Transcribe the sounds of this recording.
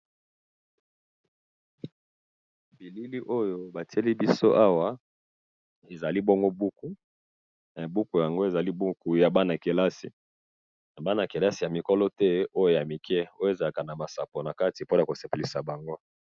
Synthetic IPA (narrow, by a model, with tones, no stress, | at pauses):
bi˨li˦li˦ʔo˦jo˦ba˨ti˦e˦li˦bi˦so˦ʔa˦wa˨ | e˨za˨li˦bo˦ŋɡo˦bu˦ku˦ | na˨bu˦ku˨ja˨ŋɡo˦e˨za˨li˦bu˦ku˨ja˨ba˦na˨ke˨la˦sḭ˨ | na˨ba˦na˨ke˨la˦si˨ja˨mi˨kɔ˦lɔ˦tɛ˦o˦jo˦ja˨mi˨kʰɛ˦o˦je˨za˨la˨ka˨na˨ma˨sa˨po˨na˨ka˦ti˨po˦na˨ko˨se˨pe˨li˨sa˨ba˨ŋɡo˦